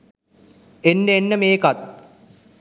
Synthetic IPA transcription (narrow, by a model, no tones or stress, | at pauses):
enːeenːəmeːkat̪̚